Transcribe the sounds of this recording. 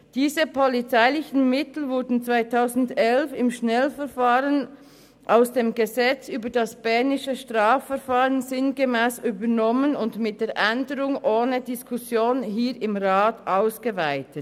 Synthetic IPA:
d̥iːzəpʰɔlit͡saɪlɪçn̩mɪtl̩vʊɐdn̩t͡sv̥aɪtʰaʊzn̩dɛlfɪmʃnɛlfɛʁfaːʁən | ʔaʊsd̥eːmɡəzɛt͡syːbədɑsb̥ɛʁnɪʃəʃtʁ̥aːfːɛɐfaːʁənzɪnɡəmɛːsyːbənɔmənʊndmɪt̚d̥eːʁʔɛndəʁʊŋʔoːnədiskʰʊsjoːnɦiːɾɪmʁaːtʔaʊsɡ̥əvaɪtət

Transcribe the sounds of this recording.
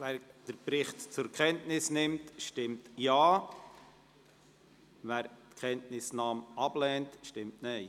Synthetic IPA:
væːɾd̥əɾpɾɪχtt͡sʊɾkχɛntnɪsnɪmtʃtɪmtjaː | væːɾtkʰχɛntnɪsnɑːmɑb̥lɛːntʃtɪmtnɛɪ

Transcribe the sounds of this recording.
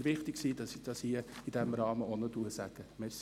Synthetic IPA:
ʋɪχt̪ɪksiːdɑsd̥ɑsiəid̥ɛmɾɑːməonətuəsæɡ̥əmɛs

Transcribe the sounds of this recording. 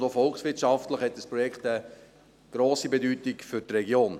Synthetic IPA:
dofɔlksʋɪtʃɑftləχhɛtdəspɾɔjɛkχt̪ə | ɡ̥ɾoːsibedyːtikfʏɾtɾɛɡjoːn

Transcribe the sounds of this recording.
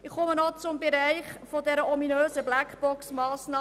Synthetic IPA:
ɪχχʊmənɔt͡sʊmbeɾæɪχfodɛɾəʔɔminøːzəblækb̥ɔksmɑːsnɑː

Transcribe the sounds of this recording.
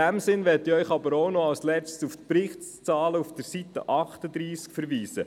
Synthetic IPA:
æmsɪnʋɛt̪iœʏχɑbəɾoʊnɔɑlslɛt͡stsuft̪prɪχtt͡sɑːləufd̥̪əɾsit̪ə̰ʔɑχt̪əd̪ɾiːskfəɾviːsə

